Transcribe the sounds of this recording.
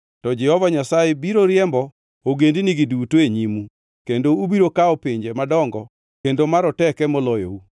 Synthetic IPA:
tɔd͡ʒɛhɔvaɲasajebiɾoɾjɛmbɔ | oɡendiniɡidutoeɲimu | kendoubiɾokaɔpiɲd͡ʒemadɔŋɡɔ | kendomaɾɔtɛkɛmɔlɔjo̰u

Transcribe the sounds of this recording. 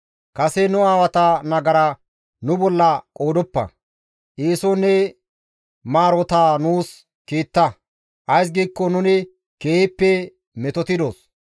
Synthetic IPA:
kɐsɛnʊaːwɐt̪ɐnɐɡɐɾɐ | nʊbɔlːɐkʼoːd̪ɔpːɐ̰ | ʔiːsɔnɛ | maːɾɔt̪aːnuːs | kiːt̪ːɐ | ʔɐjs̬ɡiːkːɔnʊnɪ | keːɪpːɛ | mɛt̪ɔt̪ɪd̪oːs

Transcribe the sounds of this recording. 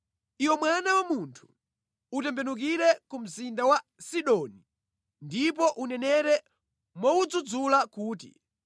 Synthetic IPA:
iwɔmwanawamuntʰu̥ | utɛmbɛnuk̬iɾɛkum̩zindawasiɗɔni | ndip̬ɔʔunɛnɛɾɛ | mwɔud͡zud͡zulakuːtḭ

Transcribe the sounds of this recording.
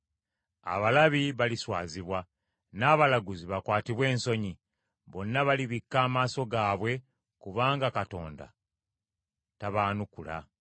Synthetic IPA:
a̰βalaβiβaliswa̰ːziβwa | naːβalaɡuziβakwaːtiβwe̞ːnso̞ɲi | βo̞nːaβaliβikːaːmaːso̞ɡaːβwe̞ | kuβaːŋɡakato̞̰ːnda̰ | taβaːnukula̰

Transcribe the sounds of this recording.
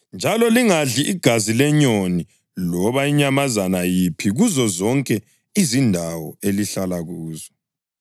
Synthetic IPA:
nd͡ʒʱalɔliŋaɮiʔiɡ̥ʱazilɛɲoni | lɔβaiɲamazanajipʰiɣuzɔzɔŋkʼɛ | izindʱawɔ̰eliɬalaɣuːzɔ

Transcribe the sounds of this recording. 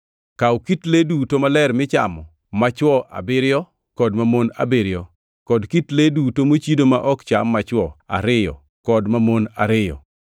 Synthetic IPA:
kawkitledutomalɛɾmɪt͡ʃa̰mɔ | mat͡ʃwɔʔa̰bɪɾjɔ | kɔdmamona̰bɪɾɪjɔ | kɔdkitledutomot͡ʃidomaʔɔkt͡ʃamːat͡ʃwɔa̰ɾɪjɔ̰ | kɔdmamona̰ɾɪjɔ̰

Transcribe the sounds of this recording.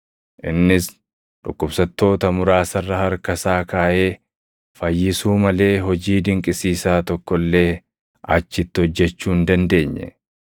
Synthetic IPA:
ʔɪnːɪs | ᶑʊ̰kːʊbsɐt̪ːo̞ːt̪ɐmʊɾaːsɐrːɐhɐɾkɐsaːkaːʔe̞ː | fɐjːɪsuːmɐle̞ːɦɔd͡ʒiːd̪ɪŋkʼɪsiːsaːt̪ɔkːɔlːe̞ː | ɐ̰t͡ʃːɪt̪ːɪhɔd͡ʒːɛt͡ʃːuːnd̪ɐnd̪e̞ːɲːɛ̰

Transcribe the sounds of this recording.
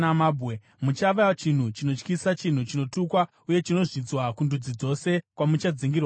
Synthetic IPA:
amabʱe | mut͡ʃaʋat͡ʃin̤ut͡ʃino̞t͡ʃkisat͡ʃin̤ut͡ʃino̞tukwa | uje̞t͡ʃino̞ʐid͡zwakundud͡zid͡zo̞se̞kwamut͡ʃad͡ziŋɡirwa

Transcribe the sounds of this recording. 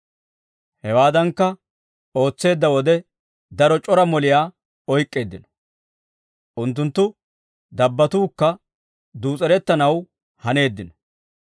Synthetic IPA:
hɛwaːd̪ɐŋkːɐ | o̞ːt͡sːe̞ːd̪ːɐwɔd̪ɛ | d̪ɐɾɔt͡ʃʼɔɾɐmɔlɪjaː | ɔjkʼːe̞ːd̪ːɪnɔ̥ | ʔʊnt̪ːʊnt̪ːʊ | d̪ɐbːɐt̪uːkːɐ | d̪uːt͡sʼɛɾɛt̪ːɐnɐw | hɐne̞ːd̪ːɪnɔ̥

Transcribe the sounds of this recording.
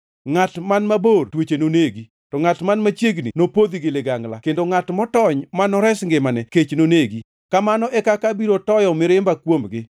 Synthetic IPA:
ŋatmanmabortwet͡ʃenoneɡi | tɔŋatmanmat͡ʃeɡninopod̪iɡɪlɪɡaŋla̰kendoŋatmɔtɔɲmanɔɾɛsŋɡɪmanɛket͡ʃnoneɡi | kamanɔʔɛkakabiɾotɔjɔmɪɾɪmbakwomɡɪ

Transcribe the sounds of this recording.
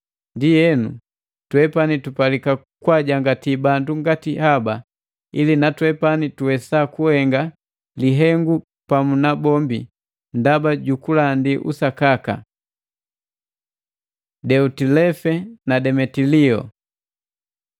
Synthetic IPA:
ndijɛnṵ | twɛpanitupalika | kwaɟaŋɡatibanduŋɡatihaba | ilinatwɛpanituwɛsakuhɛŋɡa | liɦɛŋɡu | pamunabɔmbi | ndabaɟukulandiʔṵsakaka̰ | dɛutilɛfɛnadɛmɛtiliɔ̰

